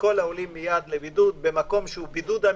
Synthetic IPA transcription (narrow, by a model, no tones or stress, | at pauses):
ko̞laolimːijad̪lebid̪ud̪̚bemako̞mʃeubid̪ud̪a